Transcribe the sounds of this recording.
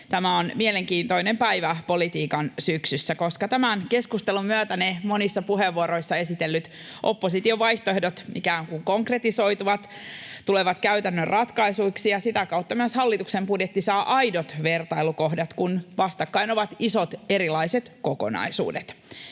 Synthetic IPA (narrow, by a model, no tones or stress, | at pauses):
t̪æmæonmiele̞ŋkiːnt̪oinempæiʋæpo̞lit̪iːkɑnsyksysːæko̞skɑt̪æmæonke̞skust̪elumyæt̪ænemo̞nisːɑpuɦeʋːuoɾo̞isːɑe̞sit̪elːyt̪ | ʔopːosit̪io̞ʋɑjht̪oe̞hdot̪mikæoŋkuŋko̞ŋkre̞t̪iso̞it̪uʋɑt̪ | t̪ule̞ʋɑt̪kæyt̪ænːørrʔɑt̪kɑisuiksijɑsit̪ækɑut̪ːɑmyøshɑlːit̪uksembudjet̪ːisɑːʔɑjdot̪ʋe̞rt̪ɑilukohdɑt̪kunʋɑst̪ɑkːɑino̞ʋɑt̪iso̞t̪e̞ɾilɑiset̪ko̞ko̰nɑ̰isṵːdet̪